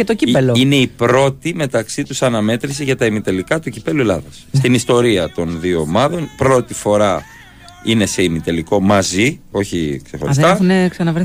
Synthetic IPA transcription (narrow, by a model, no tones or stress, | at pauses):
et̪ocipeloine̞ipɾo̞t̪ime̞t̪ɐksit̪usɐnɐme̞t̪ɾis̬eʝɐt̪ɐimit̪e̞likɐt̪ucipe̞lue̞lɐ̰ðɐsst̪inist̪o̞ɾiɐt̪o̞nðioːmɐðo̞npɾo̞t̪ifo̞ɾɐ | ine̞se̞imit̪eliko̞mɐzio̞çḭkse̞xoɾist̪ɐneksɐnɐvɾ